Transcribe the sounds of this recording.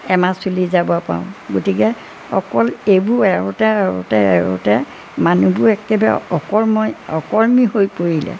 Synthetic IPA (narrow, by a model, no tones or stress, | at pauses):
ɛmasulizabɔpa̰ʊ̃ɡotikɛ | ɔ̰kɔlebuɛɹʊtɛɛɹʊ̰tɛɛɹo̰tɛ | manubʊɹɛkɛba̰ɔkɔɹmɔjɔkɔɹmihojpoɹilɛ̰